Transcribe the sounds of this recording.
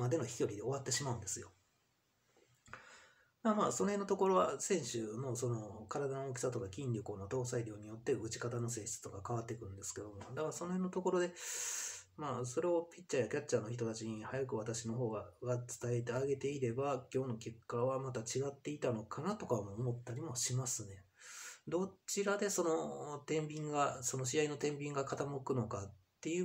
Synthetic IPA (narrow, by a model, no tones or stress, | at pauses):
mad̪e̞no̞çi̥kʲo̞ɾʲid̪e̞o̞βat̪ːe̞ɕimaɯ̟̃nd̪e̞sɨjo̞ | d̪aamaːso̞no̞henːot̪o̞ko̞ɾo̞βasẽ̞ɰ̃ɕɨno̞so̞no̞kaɾad̪añok̬ʲi̥sat̪o̞kakʲĩnɾʲoko̞ːnot̪o̞ːsaiɾʲo̞ːɲ̟ijo̞t̪ːe̞ɯ̟t͡ɕi̥kat̪ano̞sẽ̞ːɕi̥t͡sɨ̥t̪o̞kakaβat̪ːe̞kɯ̟ɾɯ̟nd̪e̞sɨ̥ke̞d̪o̞mod̪akaso̞no̞henːo̞t̪o̞ko̞ɾo̞d̪e̞ | maːso̞ɾe̞opʲit͡ɕɕajakʲat͡ɕt͡ɕːano̞çi̥t̪o̞t̪at͡ɕiɲ̟ihajakɯ̟βat̪aɕino̞ɦo̞ːɡaɡat͡sɨ̥t̪aet̪̬e̞aɡe̞t̪e̞iɾe̞bakʲo̞ːno̞kʲe̞kːaβamat̪at͡ɕiɡat̪ːe̞it̪ano̞kʰanat̪o̞kaomoːmo̞t̪ːaɾʲimo̞ɕimasɨne̞ | d̪o̞t͡ɕiɾad̪e̞so̞no̞t̪ẽ̞mbʲĩŋɡaso̞no̞ɕiaino̞t̪ẽ̞mbʲĩŋɡakat̪amokɯ̟no̞kat̪ːe̞jɯ̟